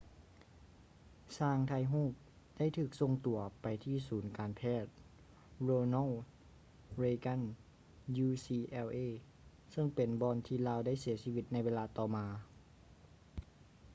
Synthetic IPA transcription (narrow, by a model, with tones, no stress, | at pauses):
saː˧˩ŋt̪ʰa˧jɦuː˥˩p̚ | d̥a˥˨jt̪ʰɯː˧˩k̚so˧ŋt̪u˨˩ɐpa˨jt̪ʰiː˧˩suː˩˦nkaː˨npʰɛː˥˩t̪̚ | ɾoː˧nɔ˧˥˨ | ɾeː˧ka˧˥˨n | juː˧siː˧ʔɛ˧wʔeː˧˥˨ | sɤ˧˨ŋpe˨nbɔː˧nt̪ʰiː˧laː˧˥˨wda˥˩jsi˨˩˦ɐsiː˧ʋi˧t̪̚na˧jʋeː˧laː˧t̪ɔː˧˩maː˧